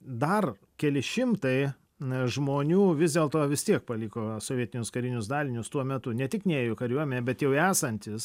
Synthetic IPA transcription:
d̪ɐr | kʲɛlʲɪʃʲɪmt̪ɐɪ | ʒmoːnʲuːʋʲɪzd̪ʲeɛːlˠt̪oːʋʲɪst̪ʲiɛk̚pɐlʲɪkoːsoːʋʲiɛt̪ʲɪnʲʊskɐɾʲɪnʲʊsd̪ɑːlʲɪnʲʊst̪uɔmʲɛt̪ʊnʲɛt̪ʲɪknʲɛeːjokɐɾʲuɔmʲɛnʲeːbʲɛt̪jɛʊæːsɐnʲt̪ʲɪs

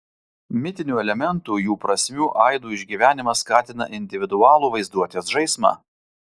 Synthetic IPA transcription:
mʲɪt̪ʲɪnʲuːɛlʲɛmʲɛnt̪uːjuːpɾɐsʲmʲuːʔɐɪd̪uːɪʒʲɡʲiːʋʲæːnʲɪmɐskɑːt̪ʲɪnɐ̰ʔɪnʲd̪ʲɪʋʲɪd̪ʊɑːlˠuːʋɐɪzd̪uɔt̪ʲeːsʒɐɪsmɑ̰

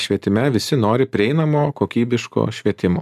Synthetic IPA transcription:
ʃʲʋʲiɛt̪ʲɪmʲɛʋʲɪsʲɪnoːɾʲɪpʲɾʲɪɛɪnɐmoːkoːkʲiːbʲɪʃko̰ːʃʲʋʲiɛt̪ʲɪmoː

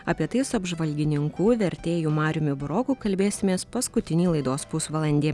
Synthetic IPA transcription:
ɐpʲiɛt̪ɐɪsʊɐbʒʋɐlʲɡʲɪnʲɪŋkuːʋʲɛɾʲt̪ʲeːjuːmɑːɾʲʊmʲʊbʊɾɔkuːkɐlʲbʲeːsʲɪmʲeːspɐskʊt̪ʲɪnʲiːlˠɐɪd̪oːspusʋɐlˠɐnʲd̪ʲeː

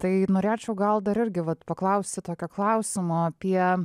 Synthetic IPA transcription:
t̪ɐɪnoːɾʲeːt͡ʃʲɛʊɡɐlˠd̪ɐɾɪɾʲɡʲɪʋɐt̪pɐklˠɐʊsʲt̪ʲɪt̪oːkʲoːklˠɐʊsʲɪmoːɐpʲiɛ

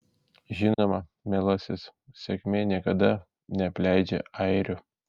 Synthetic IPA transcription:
ʒʲɪnoːmɐmʲelˠɐsʲɪssʲɛkʲmʲeːnʲiɛkɐd̪ɐ | nʲɛpʲlʲæɪd͡ʒʲɛ̰ɐɪɾʲʊ

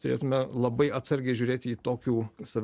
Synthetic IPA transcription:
t̪ʊɾʲḛːt̪ʊmʲɛlˠɐbɐɪɐt̪sɐɾʲɡʲɛɪʒʲuːɾʲeːt̪ʲiːt̪oːkʲuːsɐʋʲ

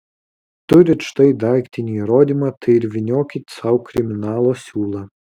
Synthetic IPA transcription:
t̪ʊɾʲɪʃt̪ɐɪd̪ɑˑɪkʲt̪ʲɪnʲiːɾoːd̪ʲimɑt̪ɐɪɪɾʲʋʲɪnʲoːkʲɪt̪ʲsɐʊkɾʲɪmʲɪnɑːlˠoːsʲuːlˠɑ

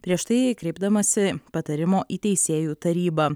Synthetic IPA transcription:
pʲɾʲiɛʃt̪ɐɪkɾʲɛɪbd̪ɐmɐsʲɪpɐt̪ɐɾʲɪmoːʔiːt̪ʲɛɪsʲeːjuːt̪ɐɾʲiːbɐː

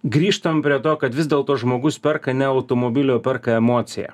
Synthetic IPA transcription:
ɡɾʲiːʃt̪ɐmpʲɾʲiɛt̪oːkɐt̪ʋʲɪzd̪ʲeːlˠt̪oːʒmoːɡʊspʲɛɾkɐnʲɛɐʊt̪oːmoːbʲɪlʲoːpʲɛɾkɐɛmoːt̪sʲɪjɛ̰

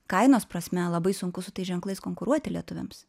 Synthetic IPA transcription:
kɐɪnoːspɾɐsʲmʲɛlˠɐbɐɪsʊŋkʊsʊt̪ɐɪsʒʲɛŋklˠɐɪskoːŋkʊɾuɔt̪ʲɪlʲiɛt̪ʊʋʲɛ̰ms

